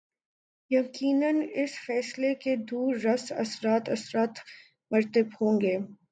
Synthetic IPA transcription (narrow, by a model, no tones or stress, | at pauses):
jɐqiːnənɪsfɛːsleked̪uːɾːɐsɐ̰sɾaːt̪ɐsɾaːt̪ | mɐɾt̪əbhõːŋɡeː